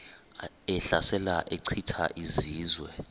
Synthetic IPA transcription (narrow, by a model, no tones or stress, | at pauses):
ɛɬasɛlaʔeǀʰitʰa̰ʔiziːzwɛ